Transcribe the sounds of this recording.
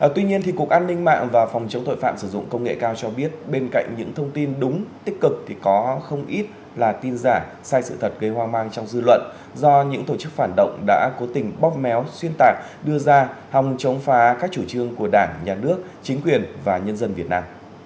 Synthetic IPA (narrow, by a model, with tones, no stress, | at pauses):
ʔə˨˩t̪wi˧ɲi˧ənt̪ʰi˨˩ku˨˩ək̚ʔaː˧nːï˧ŋ̟ma̰ː˧˨ŋvaː˨˩fɔ˨˩wŋ͡mt͡ɕə˨˦wt̪o̰˧˨jfa̰ː˧˨msɨ˧˩zʊ̰˧˨ŋ͡mkə˧wŋ͡mŋḛ˧˨kaː˧wt͡ɕɔ˧ɓi˦˥ət̚ɓe˧nka̰˧˨jŋ̟ɲɨ̰˧˥ŋt̪ʰə˧wŋ͡mt̪i˧nɗʊ˨˦ŋ͡mt̪i˦˥k̚kɨ˨˩k̚t̪ʰi˨˩kɔ˨˦xə˧wŋ͡mʔi˦˥t̚ | laː˨˩t̪i˧nzaː˧˩ | saː˧jsɨ̰˧˨t̪ʰə˨˩t̚ɣə˧jhwaː˧maː˧ŋt͡ɕɔ˧wŋ͡mzɨ˧lwə̰˧˨n | zɔ˧ɲɨ̰˧˥ŋt̪o˧˩t͡ɕɨ˦˥k̚faː˧˩nɗə̰˧˨wŋ͡mɗa̰ː˧˥ko˨˦t̪ï˨˩ŋ̟ɓɔ˦˥k͡p̚mɛ˨˦wswi˧ənt̪aː˨˩k̚ | ɗɨ˧əzaː˧ha˨˩wŋ͡mt͡ɕə˨˦wŋ͡mfaː˨˦kaː˦˥k̚t͡ɕu˧˩t͡ɕɨ˧əŋku˧˩əɗaː˧˩ŋɲaː˨˩nɨ˦˥ək̚t͡ɕï˨˦ŋ̟kwi˨˩ənvaː˨˩ɲə˧nzə˧nvi˨˩ət̚naː˧m